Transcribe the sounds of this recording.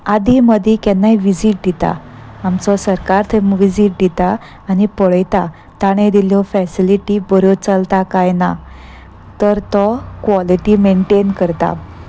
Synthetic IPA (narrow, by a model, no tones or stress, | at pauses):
ad̪ʱiməd̪ʱikɛnːajʋid͡ziʈ̚d̪it̪a̰ | amt͡sɔsəɾkaɾt̪ʰemʋid͡ziʈ̚d̪it̪aː | ñipɔɭəjt̪a | t̪aɽ̃ẽd̪iljɔfɛsiliʈibɔɾot͡səlt̪akajna | t̪əɾt̪ɔkʋɔliʈimeɳʈenkəɾt̪a̰